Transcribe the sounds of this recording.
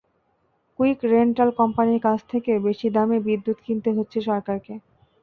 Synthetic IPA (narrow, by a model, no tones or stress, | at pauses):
kuikɾeɳʈalkɔmpaniɾkat͡ɕʰt̪ʰekebeʃid̪amebid̪ːut̪kint̪eɦotːɕʰeʃɔɾkaɾke